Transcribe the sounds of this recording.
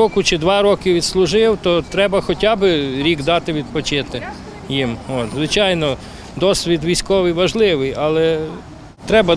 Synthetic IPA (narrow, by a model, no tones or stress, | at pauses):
ɔkʊt͡ʃɪd̪ʋɑɾɔkʲɪʋʲid̪slˠʊʒɪwt̪ɔt̪ɾɛbɐxɔtʲɑbɪɾʲiɡd̪ɑt̪ɪʋʲid̪̚pɔt͡ʃɪt̪ɪ | jimɔt̪zʋɪt͡ʃɑjnɔ | d̪ɔsʲʋʲid̪ʋʲijsʲkɔʋɪjʋɐʒlˠɪʋɪjɑlˠɛ | t̪ɾɛbɐ